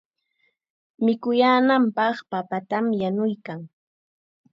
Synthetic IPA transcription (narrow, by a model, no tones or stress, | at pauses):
mɪkʊjaːnampɑχpapat̪amjanʊjkaŋ